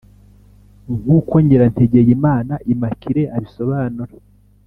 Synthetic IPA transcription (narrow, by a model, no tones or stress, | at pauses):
ŋhukoɲɟeɾanteɟe̞jimaːnaʔimakʰiɾe̞ʔaβiso̞βaːnuɾa